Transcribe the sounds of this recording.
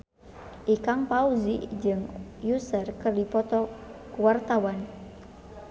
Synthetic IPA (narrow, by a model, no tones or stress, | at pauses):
ʔikaŋpauzḭd͡ʒɨŋjusərkərdipɔt̪ɔkuwart̪awan